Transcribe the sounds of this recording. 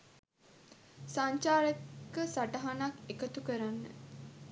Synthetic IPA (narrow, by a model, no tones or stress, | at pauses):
saɲt͡ʃaːɾekːəsaʈəɦanakekət̪ukəɾanːə̰